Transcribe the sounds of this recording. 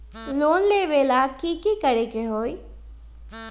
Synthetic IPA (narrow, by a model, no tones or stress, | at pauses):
loːnleːʋeːlaːkiːkikəɾekeɦoːi